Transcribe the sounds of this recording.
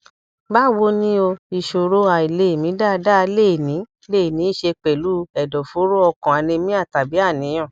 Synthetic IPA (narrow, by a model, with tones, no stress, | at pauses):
ba˦˨wo˧nĩ˦o˧i˨ʃo˨ɾo˦a˨i˨le˨˦e˨mĩ˨˦da˦˧da˦˧le˦˨nĩ˨˦ | le˦˨nĩ˨˦i˦ʃe˧k͡pɛ˨lu˨˦ɛ˨dɔ˨fo˨˦ɾo˦ɔ˧kɔ̃˨a˨˧nĩ˧mĩ˦a˦˨ta˨bi˨˦a˦˨nĩ˨˦j̃ɔ̃˦˨